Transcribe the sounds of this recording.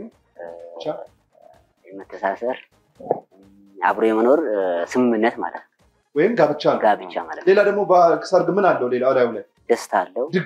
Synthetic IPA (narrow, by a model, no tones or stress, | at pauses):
m | t͡ʃːa | jɛmət̪ʰːəsasəɾ | a̰βɾojɛməno̞ɾsɨmɨmːɨnːət̪ma̰lə̰t̪nə | wɔjɪmɡabɨt͡ʃːalɡabɨt͡ʃːamalət̪le̞lad̪əɡmo̞bəkʰɨ̥səɾɡɨmːɨnalːəwle̞lalajhləɲ | d̪̥əst̪ʰalːəd̪ɨ